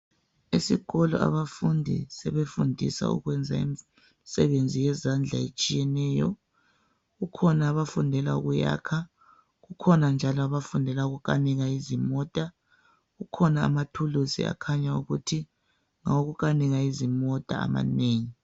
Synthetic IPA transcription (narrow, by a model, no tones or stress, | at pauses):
esiɣɔlɔ̰a̰βafundʱḭsɛβefundʱḭsa̰ṵɣwɛnd͡zʱaimi | sɛβend͡zʱijɛzand͡ɮʱaet͡ʃʼijɛnɛːjɔ̰ | ɣukʰɔnaːβafundʱɛla̰ṵɣuja̰kʰa | ɣukʰɔnand͡ʒʱalɔaβafundʱɛlauɣuɣaniɣaizimɔtʼa | ɣukʰɔna̰ːmatʰulusḭa̰kʰaɲauɣutʰi | ŋaoɣuɣaniɣaizimɔtʼaa̰ma̰neːŋi